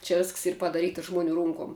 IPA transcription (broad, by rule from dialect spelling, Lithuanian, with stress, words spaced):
t͡ʃʲɛ ˈʋʲɪsks ˈiːr pɐdɐˈrʲiːtɐ ˈʒmʊˌnʲuː ˈrʊŋkoːm